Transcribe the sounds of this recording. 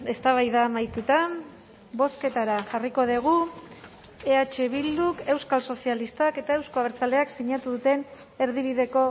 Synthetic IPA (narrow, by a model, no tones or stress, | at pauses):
e̞st̪aβ̞ajðamajt̪ut̪a | bo̞ske̞t̪aɾaʝariko̞ð̞eɣ̞u | eat͡ʃe̞β̞ild̪uke̞wskalso̞sialist̪ake̞t̪ae̞wsko̞aβeɾt͡sale̞aksiɲat̪uðut̪e̞n | e̞ɾð̞iβ̞iðe̞ko̞